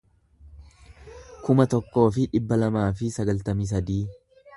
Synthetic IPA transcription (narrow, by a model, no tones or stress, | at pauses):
kʊmɐt̪ɔkːo̞ːfɪᶑɪbːɐlɐmaːfɪsɐɡɐlt̪ɐmis̬ɐd̪iː